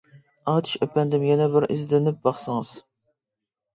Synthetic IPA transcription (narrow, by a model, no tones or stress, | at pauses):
ɑːt̪ʰɪ̥ʃøpɛnd̪ɪmjɛnɛbɪɾʔɪzd̪ɪnɪp̚bɑχsɨŋɨz̥